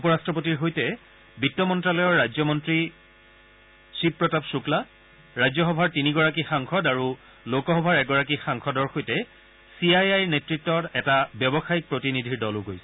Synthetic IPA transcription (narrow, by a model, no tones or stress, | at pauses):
upɔɹastɹɔp̬otiɹɦojtɛ | bitːɔmɔntɹalɔjɔɹɹajzɔmɔntɹi | sippːɹɔtapsukla | ɹajzɔxɔbʱaɹtiniɡɔɹak̬ixaŋxʰɔdaɹu | lokɔxɔbʱaɹɛɡɔɹakixaŋxʰɔdɔɹxojtɛ | siajajnetɹitːɔtɛtabjɔbɔxaik̚pɹotinidʱiɹdɔlʊɡojsɛ̥